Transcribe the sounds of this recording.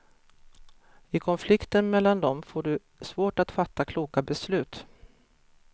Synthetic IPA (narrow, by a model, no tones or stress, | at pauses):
ɪkʰɔnflɪkt̪ənmɛlːand̪ɔmfoːɖɵ | svoːʈat̪fat̪ʰːakʰluːkabɛslʉ̟ːt̪